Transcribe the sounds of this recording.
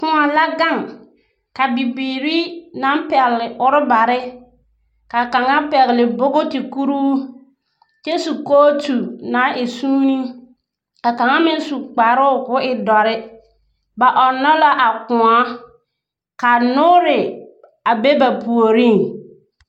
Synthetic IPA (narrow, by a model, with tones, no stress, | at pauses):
kʊ˦a˨la˦ɡa˦˨ŋ | ka˨bi˨biː˨ɾi˦na˨˦mpɛ˨ɣlɪ˨ʔʊ˦ɾɪ˦ba˨ɾɪ˦ | ka˨ka˨ŋa˦pɛ˨ɣlɪ˨bʊ˦ɡʊ˦ti˨ku˦ɾuː˦ | t͡ʃɛ˦su˨koː˦tu˨na˨˦ɪ˨suː˦ni˦ | ka˨ka˨ŋa˦mɪ˦n˦su˨k͡pa˨ɾʊ˦˨kʊ˦ɪ˨dɔ˨ɾɪ˦ | ba˨ʔɔ˨nɔ˦la˦ʔa˨kʊ˨ŋɔ˦ | ka˨nʊ˦ɾɪ˨ | a˨be˦ba˨pu˨o˨ɾi˦˨ŋ